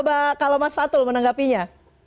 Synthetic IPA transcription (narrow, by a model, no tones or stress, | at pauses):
bakalomasfat̪ʊlmənaŋɡapiɲa